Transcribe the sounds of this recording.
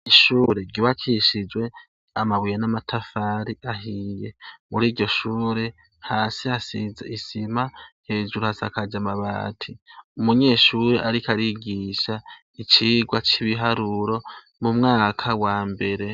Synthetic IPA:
iʃuːɾe̞ɟiβat͡ʃʰiʃid͡ʒwe̞ | amaβujenamatʰafaːɾiʔaɦiːje̞muɾiːɟɟo̞ʃuːɾe̞ | haːsiasizeisimahe̞ːʒuɾuhasa̰kad͡ʒamaβa̰ːtʰiumuɲe̞ːʃuːɾeʔaɾikaɾiɡiːʃa | it͡ʃiɡwat͡ʃiβiɦaɾuɾo̞ | mumŋaːkʰawaːmbe̞ɾe̞

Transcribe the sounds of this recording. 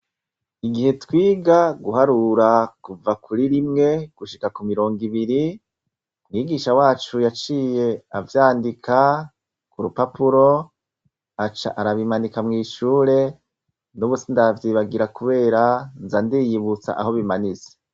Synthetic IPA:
iɡihe̞twiːɡaɡuɦaɾuɾakuvakʰuɾiɾimŋe̞ɡ̥uʃikakumiɾo̞ːŋɡiβiɾi | mŋiːɡiːʃawaːt͡ʃujat͡ʃiːje̞avjaːndikʰa | kuɾupapuɾo̞ | at͡ʃa̰ʔaɾaβimanikamŋiːʃuːɾe̞ | nuβusindavjiːβaɡiɾakuβe̞ːɾanzandijiβut͡sa̰ʔa̰ɦo̞βimanize̥

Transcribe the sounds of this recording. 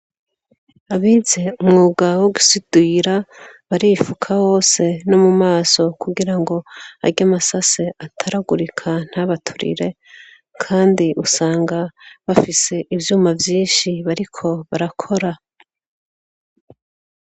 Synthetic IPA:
aβize̞umŋuːɡawoɡu̥sid̥wiːɾaβaɾifukʰaho̞ːse̞no̞mumaːso̞kuɡiɾaŋɡo̞a̰ɟamasase̞atʰaɾaɡuɾikʰan̥haβatʰu̥ɾḭɾe̞ | kʰaːndiʔusaːŋɡaβafise̞ʔivjuːmavjiːnʃiβaɾikʰo̞βaɾakʰo̞ɾa

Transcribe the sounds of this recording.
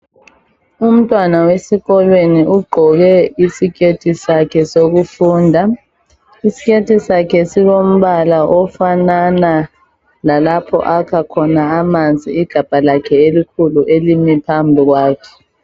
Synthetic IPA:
um̩tʼwanawesiɣɔlweniuɡ͡ǃʱɔɣɛisiketʰisakʰɛsoɣufuːndʱa | isi̥ketʰisakʰɛsilom̩βalaʔɔfanana | lalapʰɔ̰ʔakʰakʰɔnaːmand͡zʱḭːɡ̥ʱab̥ʱalakʰɛelikʰuluʔelimipʰambʱiɣwaːkʰɛ̥

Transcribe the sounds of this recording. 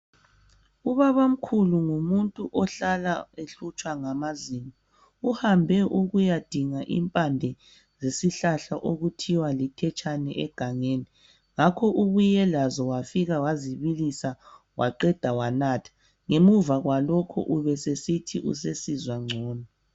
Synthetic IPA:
uβaβam̩kʰuluŋumuntʼuʔɔɬalaeɬut͡ʃʼwaŋamazimɔ | uhambʱɛʔuɣujad̥ʱiŋaʔḭmpʼandʱɛ | zesiɬaɬaʔoɣutʰiwalitʰɛt͡ʃʼanɛ̰ʔɛɡ̥ʱaŋeːni | ŋakʰɔʔuɣujɛlazɔwafiɣawaziβilisa | wʔaǃɛd̥ʱawanatʰḁ | ŋemuvaɣwalɔkʰɔ̰ʔuβɛsesitʰiʔṵsesizwaŋ͡ǀʱɔːnɔ

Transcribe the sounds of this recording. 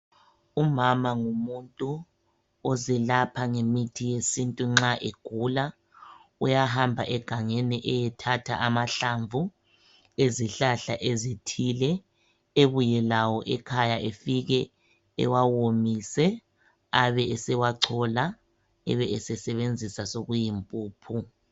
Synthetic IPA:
umamaŋumuntʼu | ɔzɛlapʰaŋemitʰijesintʼuŋ͡ǁaʔeɡ̥ʱula | ujaɦambʱaʔɛɡ̥ʱaŋeniʔɛjɛtʰatʰa̰ʔamaɬaɱvʱu | eziɬaɬaʔezitʰilɛ | eβujɛlawɔʔɛkʰajaʔefiɣɛ | ɛ̰wawomisɛ | aβɛɛsɛwaǀʰɔla | ɛ̰βɛɛsɛsɛβend͡zʱisasoɣujimpʼuːpʰu

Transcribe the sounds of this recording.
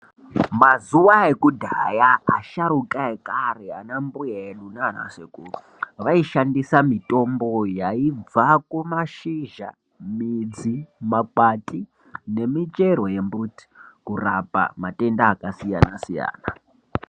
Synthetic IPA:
mazuwaekudʱajaːʃaɾukaekarea̰nambujaeɗunana̰sekuu | ʋaiʃandisamitʼo̞mbo̞jaib͡vakumaʃiʒa̰ | mid͡zimakwatʼi | ne̞mit͡ʃeɾo̞je̞mbuti̥kurapa̰matʼe̞ndaːkasijanasija̰ːna

